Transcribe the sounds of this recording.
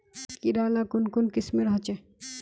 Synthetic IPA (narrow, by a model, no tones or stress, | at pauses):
kiɾaːlakʊnkʊnkɪsmeɾɦɔt͡ʃe